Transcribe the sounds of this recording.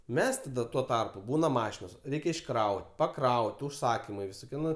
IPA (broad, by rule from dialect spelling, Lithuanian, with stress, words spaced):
ˈmʲɛs tɐˈdɐ tuɔ ˈtɐrpʊ ˈbuːnɐ ˈmɑːʃʲɪnoːs ˈrʲɛɪkʲɛ ɪʃˈkrɐʊtʲ pɐˈkrɐʊtʲ ʊʃˈsɑːkʲɪmɐɪ ʋʲɪsoːˈkʲiɛ ˈnʊ